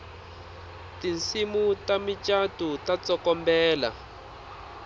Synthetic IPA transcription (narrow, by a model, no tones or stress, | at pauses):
tint͡simutamit͡ʃʼatutat͡sɔkɔmbɛːla̰